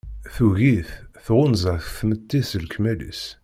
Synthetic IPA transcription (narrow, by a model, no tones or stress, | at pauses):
θuɣiθθʁʊnzˤəθθmət̪ːiθəlkmælḭs